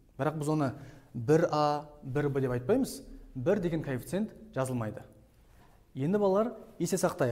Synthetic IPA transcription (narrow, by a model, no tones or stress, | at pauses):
b̥ɪɾɑq̚bɪzwo̞nəbɪɾɑbɪɾbəd̪e̞pɑjt̪̚pɑjməzbɪɾd̪e̞ɡʲeŋkʰoifʲit̪se̞nt̪ʒ̥ɑzəlˠmɑjd̪ə | je̞nd̪ɪbɑlˠɑlˠɑɾje̞se̞sɑqt̪ɑj